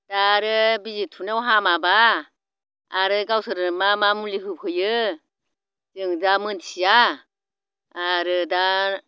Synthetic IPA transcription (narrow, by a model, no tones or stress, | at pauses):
d̥aɾɯbizitʰunewɦamaba | ɾɯɡawsʰɯɾɯmamamuliɦɯp̚ʰɯjɯ | zɯŋdamɯntʰija | ɾɯda